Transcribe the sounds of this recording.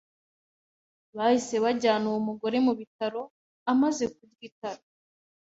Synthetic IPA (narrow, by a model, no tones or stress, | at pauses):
βahise̞βaɟaːnuwumuɡo̞ɾe̞muβitaɾo̞ | amaze̞k̚ubɡitaɾo